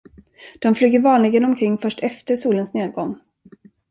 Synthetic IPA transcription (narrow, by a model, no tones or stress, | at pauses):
d̪̥ɔmflyːɡəɾvɑːnlɪɡənɔmkʰɾɪŋːfœʂʈɛft̪əʂuːlənsneːd̪̚ɡɔŋ